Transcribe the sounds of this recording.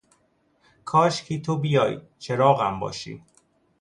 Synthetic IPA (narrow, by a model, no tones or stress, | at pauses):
kʰɒːʃkʰiːt̪ʰobijɒ̰ːj | t͡ʃʰeɾɒːɣæmbɒ̰ːʃḭː